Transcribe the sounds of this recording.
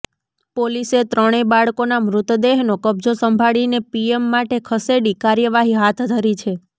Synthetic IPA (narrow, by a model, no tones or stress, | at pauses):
poliset̪ɾəɽ̃ebaɭkonamɾʊt̪d̪eɦnokəb̚d͡ʒosəmbʱaɭinepiemːaʈekʰəseɽikaɾjəʋaɦiɦat̪ʰd̪ʱəɾit͡ʃʰe